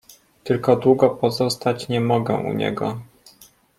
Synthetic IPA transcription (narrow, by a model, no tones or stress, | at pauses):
t̪ɘlkɔd̪wuɡɔpɔzɔst̪at͡ɕɲɛmɔɡɛ̰ʔṵɲɛ̰ɡɔ̰